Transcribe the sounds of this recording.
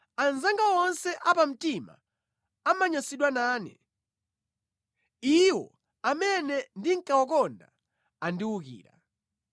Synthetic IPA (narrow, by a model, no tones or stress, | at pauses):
anzaŋɡawɔnsɛʔapam̩tima̰ | amaɲasiɗwanaːnɛ̰ | iwɔ̰ | amɛnɛndiŋ̩kawak̬ɔnda | andiwukḭːɾa̰